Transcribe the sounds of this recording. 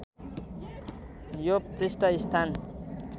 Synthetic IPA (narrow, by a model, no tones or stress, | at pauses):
joprisʈʌist̪ʰan